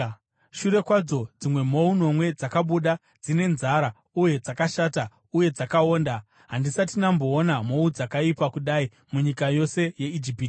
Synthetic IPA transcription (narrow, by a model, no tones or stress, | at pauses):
ʃuɾe̞kwad͡zo̞d͡zimwe̞mo̞uno̞mwe̞d͡zakaɓuɗa | d͡zine̞nzaɾa | uje̞d͡zakaʃata | uje̞d͡zakao̞ːnda | ɦandisatinambo̞ːnamo̞ud͡zakaipakuɗai | muɲikajo̞se̞je̞id͡ʒipiːti